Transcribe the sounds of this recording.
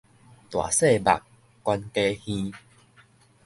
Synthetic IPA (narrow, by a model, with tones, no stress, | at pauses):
t̪wa̰˨˩se˥˧˨ba̰˨kː | wa˧nke˦hĩ˦